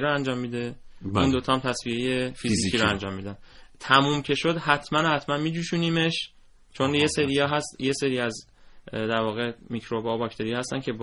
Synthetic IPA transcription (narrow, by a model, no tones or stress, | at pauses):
ɾɔænd͡ʒɒːmːiːd̪e̞uːnd̪ot̪ʰɒːmt̪ʰæsvije̞je̞fizziːciːɾɔænd͡ʒɒːmːiːd̪ænt̪ʰæmuːmcʰe̞ʃo̞d̪hæt̪ʰmænohæt̪ʰmænmiːd͡ʒuːʃuniːme̞ʃ | t͡ʃʰo̞nje̞seɾijɒːɦæst̪je̞se̞ɾiːæz | d̪æɾvɒːɣemicɾobɒːbɒːct̪ʰe̞ɾijɒːhæst̪æncʰe̞b